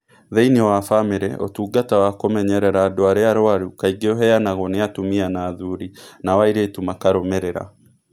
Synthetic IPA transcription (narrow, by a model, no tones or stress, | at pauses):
ðeiniwafameɾɛ̰ʔo̰tuːɡatawakomɛɲɛɾɛɾaːdoaɾeaɾoaɾukaiɡeoɦɛjanaɣɔneatumianaːðuɾinawaiɾeːtumakaɾomɛɾeɾa̰